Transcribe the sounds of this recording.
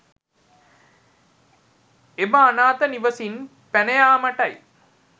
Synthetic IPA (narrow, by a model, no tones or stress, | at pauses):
ebəanaːt̪əniʋəsin | pænəjaːmaʈɐj